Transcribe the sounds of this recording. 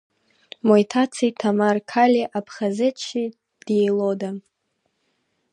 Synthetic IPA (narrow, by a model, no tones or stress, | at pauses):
mojtʰat͡sʰitʰamarkʰalʲiʔapʰχazɨt͡ʃʰi | d̥jejloda